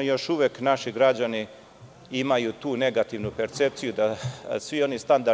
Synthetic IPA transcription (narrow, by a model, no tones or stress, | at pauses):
jo̞ʃuʋeknaʃiɡɾad͡ʑani | imajut̪uːne̞ɡat̪iʋnupe̞ɾt̪se̞p̚t̪sijud̪asʋio̞nist̪and̪a